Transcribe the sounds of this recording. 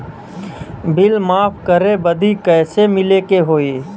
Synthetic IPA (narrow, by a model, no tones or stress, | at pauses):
bɪlmaːfkəɾebəd̪ikɛːsemɪleːkeɦoːiː